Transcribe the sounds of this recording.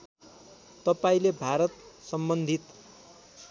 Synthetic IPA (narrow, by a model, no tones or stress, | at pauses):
t̪ʌpaĩlebʱaɾʌt̪sʌmbʌnd̪ʱit̪